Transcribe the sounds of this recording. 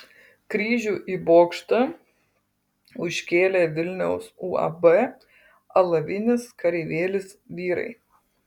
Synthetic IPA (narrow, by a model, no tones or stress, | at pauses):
kɾʲiːʒʲuːʔiːboːkʃt̪ɐ | ʊʃʲkʲeːlʲeːʋʲɪlʲnʲɛʊsuːɐ̰bɛ | ɐlˠɐʋʲɪnʲɪskɐɾʲɛːʋʲeːlʲɪsʋʲiːɾɐ̰ɪ